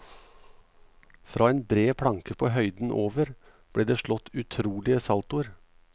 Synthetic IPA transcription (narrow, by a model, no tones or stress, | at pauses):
fɾʔɑːeːnbɾeːpʰɽɑŋkəpʰoːhœʏd̪n̩ʔoːʋəɾ | b̥ɽeːd̪eːʃɭɔt̪ʉt̪ʰɾuːlɪəsɑlt̪ʊəɾ